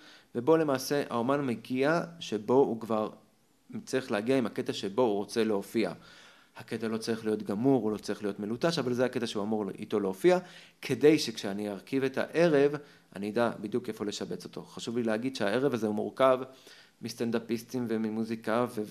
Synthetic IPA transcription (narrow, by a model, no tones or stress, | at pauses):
ve̞bo̞le̞maːse̞ʔa̰omanmeɡiaʃe̞bo̞ukvaʁ | mt͡siχleaɡiaimaketaʃe̞bo̞uʁo̞t͡se̞leofia̰ | hake̞talo̞t͡saʁiχlijo̞t̪ɡamuʁulo̞t͡saʁiχlijo̞tmelutaʃavalzeake̞taʃeuamuʁḭto̞leofia | kʰe̞de̞jʃe̞kʃeaniaʁkive̞tʰa̰ʔe̞ʁe̞v | a̰nid̪abid̪juke̞fo̞le̞ʃabe̞t͡so̞t̪ʰo̞̰χaʃuvlileɦaɡid̪ʃeae̞ʁevazeumuʁkav | mist̪and̪apistimve̞mimuzikave